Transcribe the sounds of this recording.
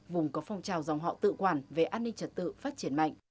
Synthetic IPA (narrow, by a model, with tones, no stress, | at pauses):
vʊ˨˩ŋ͡mkɔ˨˦fa˧wŋ͡mt͡ɕaː˨˩wza˨˩wŋ͡mɦɔ̰˧˨t̪ɨ̰˧˨kwaː˨˩nve˨˩ʔaː˧nːï˧ŋt͡ɕə˨˩t̚t̪ɨ̰˧˨faː˦˥t̚t͡ɕi˧˦ənma̰˧˨jŋ